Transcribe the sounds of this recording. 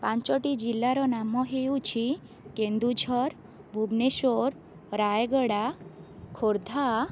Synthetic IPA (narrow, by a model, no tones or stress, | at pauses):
pant͡ʃɔʈid͡ʒilːaɾɔnamɔɦeut͡ʃʰi | kend̪ud͡ʒʱɔɾ | bʱubneʃoɾ | ɾajɡəɽakʰoɾd̪ʱa